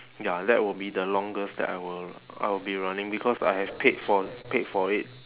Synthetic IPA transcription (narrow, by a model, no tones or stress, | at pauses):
jadɛ̰t̚wɪlbidəlɔ̃ŋɡəsdɛ̰ta̰ɪwɪla̰ɪwɪlbiɹanɪ̃ŋbikʰɔsa̰jhɛvpʰedfɔpedfɔɹit̚